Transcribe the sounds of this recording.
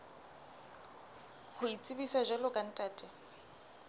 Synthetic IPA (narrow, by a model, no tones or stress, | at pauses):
hʊit͡sʼibisaʒɛlɔkʼan̩tʼaːtʼɛ